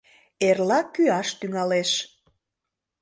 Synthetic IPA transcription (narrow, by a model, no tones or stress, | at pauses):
erlɑkyɑʃt̪yŋɑleʃ